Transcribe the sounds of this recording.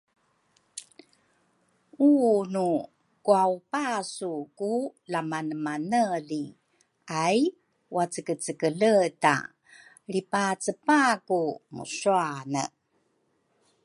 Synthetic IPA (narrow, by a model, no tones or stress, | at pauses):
unu | kuaupasukulamanəmanəɮi | aj | wat͡səkət͡səkəɮəta̰ | ɾipat͡səpakumṵɕuanə̰